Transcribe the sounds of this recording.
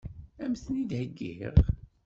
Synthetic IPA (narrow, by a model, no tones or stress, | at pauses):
æmθnid̪həɡːḭʁ